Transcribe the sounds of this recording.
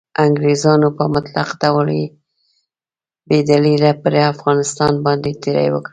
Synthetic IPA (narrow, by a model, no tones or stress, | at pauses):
aŋɡɾezɑnopəmʊt̪laqd̪awale | bed̪alilapəɾafɣɑnɪst̪ɑnbɑnd̪et̪eɾa̰jwə̰kɽi